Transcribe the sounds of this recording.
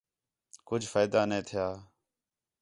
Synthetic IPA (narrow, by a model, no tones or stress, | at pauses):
kʊd͡ʒʱfaːjd̪aːnẽːt̪ʰɪjaː